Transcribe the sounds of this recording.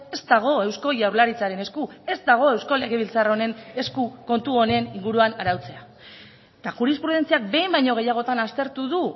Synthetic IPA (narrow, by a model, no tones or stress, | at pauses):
e̞zd̪aɣ̞o̞e̞wsko̞ʝawɾlaɾit͡saɾe̞ne̞skue̞zd̪aɣ̞o̞e̞wsko̞le̞ɣ̞e̞β̞ilt͡saro̞ne̞ne̞skuko̞nt̪uo̞ne̞niŋɡuɾuanaɾawt͡se̞a | t̪axuɾispɾuð̞e̞nt͡siak̚be̞jmbajɲo̞ɣ̞e̞jaɣ̞o̞t̪anast̪e̞ɾt̪uðu